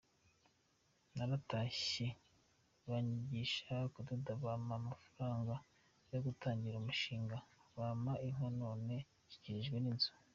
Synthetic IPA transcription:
naβataɕi | βaɲiɟiʃakudadaβamamafaɾaːŋɡa | joɡutʰaːɲɟiɾumuʃiːŋɡaβamaimwanoːne̞ | ʃi̥ciɾiʒɡwe̞ninzu̥

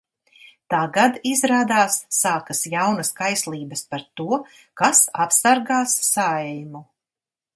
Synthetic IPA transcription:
t̪aɡad̪izɾaːd̪aːsːaːkɐsjawnɐskajslˠiːbəspaɾt̪uɔ | kasa̰psaɾɡaːsːajmu

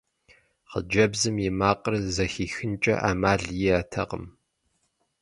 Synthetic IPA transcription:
χəd͡ʒɐbzɨmjɪmaːqʼərzɐxiːxɨnt͡ʃʼɐ̰ʔaːmaːɮjɪatʰɐ̰qʼə̰m

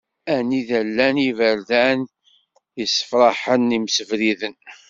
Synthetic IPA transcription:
æniðælːænivəɾðæn | jəsːə̥fɾˤɑħənimsəvɾiðən

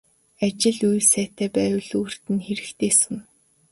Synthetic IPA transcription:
at͡ɕɪ̆ɮujsæːt̪æːpæːwʊ̆ɮuːr̥t̪ɘ̆nxeɾɘ̆xt̪ʰeːsə̆ŋ

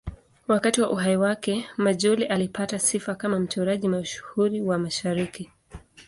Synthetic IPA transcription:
wakatiwaʔuɦaiwakɛmaʄɔliʔalipatasifakamam̩tʰɛuɾaʄimaʃu̥huɾiwamaʃaɾiki

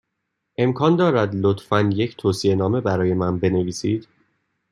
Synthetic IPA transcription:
ʔe̞mkʰɒːnd̪ɒːɾæd̪lot̪fænje̞cʰt̪ʰoːsienɒːme̞bæɾɒːje̞mænbe̞ne̞viːsiːd̪̥

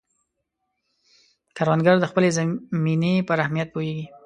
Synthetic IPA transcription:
kaɾwand̪ɡaɾd̪əxpəlezaminepəɾahmijat̪̚pojeɡi

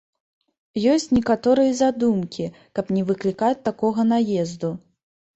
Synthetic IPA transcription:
jɔsʲt͡sʲnʲɛkat̪ɔɾɨjɐzad̪umkʲi | kɐpnʲɛvɨklʲikat͡sʲt̪akɔɣɐnajɛzd̪u

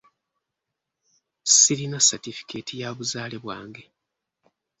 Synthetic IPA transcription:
siɾinasatifi̥kʰe̞tʰijaβuzaːle̞βwaːŋɡe̞

